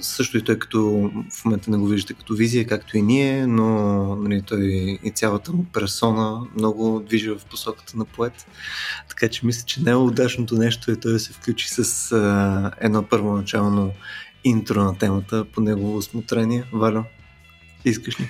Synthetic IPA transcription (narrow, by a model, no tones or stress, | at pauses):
sɤʃt̪oit̪ɔjkɐ̥t̪ɔfmomɛnt̪ənɛɡoviʒd̪ət̪ɛkɐ̥t̪ɔvizijəkakt̪oiniɛnonɐlit̪ɔjit̪sʲjalˠət̪əmupɛɾsɔnəmnɔɡʊd̪viʒəvɐfposɔkə̥t̪ənɐpoɛt̪t̪ːɐ̥kat͡ʃɛmislʲət͡ʃɛnɛɛʊd̪at͡ʃnot̪onɛʃt̪oɛt̪ɔjd̪əsɛfklʲut͡ʃi̥səs | ɛ̰d̪nɔpəɾvonɐt͡ʃalˠnoint̪ɾonɐt̪ɛmət̪əponɛɡovosmot̪ɾɛniɛvalʲo | iskəʃnʲi